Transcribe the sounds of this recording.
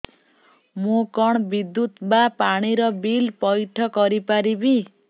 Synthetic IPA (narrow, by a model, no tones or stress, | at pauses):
mokɔɽ̃bid̪ːut̪bapaɽ̃iɾɔbilpɔjʈʰɔkɔɾipaɾibi